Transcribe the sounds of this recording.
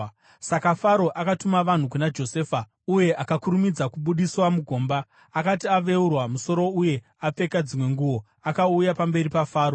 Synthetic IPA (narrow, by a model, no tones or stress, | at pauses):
sakafaɾo̞ʔakatumaʋan̤ukunad͡ʒo̞seːfa | uje̞ʔakakuɾumid͡zakuɓuɗiswamuɡʱo̞ːmbaː | katiaʋe̞urwamuso̞ɾo̞uje̞ | ap͡fe̞kad͡zimwe̞ŋɡuʋo̞ | akaujapambe̞ripafaːɾo